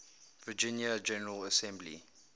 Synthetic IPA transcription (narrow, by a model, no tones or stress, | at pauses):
vəd͡ʒɪ̃njad͡ʒɛnəɹələsɛ̃mblḭ